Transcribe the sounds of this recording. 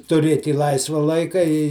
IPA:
tʊˈrʲeːtʲ ɪ ˈlˠɐɪsʋɐ ˈlˠɐɪkɐ ɪ

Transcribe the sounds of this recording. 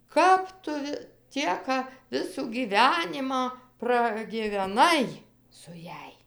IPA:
ˈkɐp tʊ ʋʲɪ ˈtʲiɛkɐ ˈʋʲɪsuː ɡʲiːˈʋʲæːnʲɪmɑː prɐɡʲɪʋʲɛˈnɐɪ sʊ ˈjæːj

